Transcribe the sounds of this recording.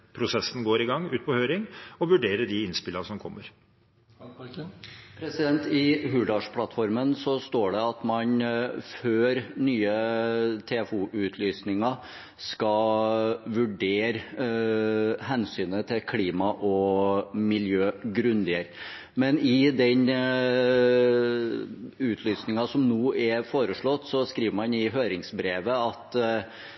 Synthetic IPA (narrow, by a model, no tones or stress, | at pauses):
pʰɾʊsɛsːənɡoːɾɪɡɑŋːʉːt̪̚pʰɔhøːɾɪŋɔʋʉɖeːɾəɖɪɪnspɪlːəsɔmkʰɔmːəɾ | pʰɾɛsɪd̪ɛnt̪ɪɦʉːɖɑʂpʰlɑt̪fɔɾmənsɔst̪oːɖɛɑt̪mɑnføːɾnyːət̪ʰefuːʔʉːt̪ʰlyːsnɪŋɑ | skɑ | ʋʉɖeːɾ | ɦɛnsyːnət̪ʰɪlkʰliːmɑʔɔmɪljøːɡɾʉnd̪ɪəɾ | mɛnɪd̪ɛn | ʉːt̪ʰlyːsnɪŋɑsɔmnuːʔɛfoːɾəʂɭɔt̪ːsɔskɾiːʋəmɑnɪɦøːɾɪŋsbɾeːʋəɑt̪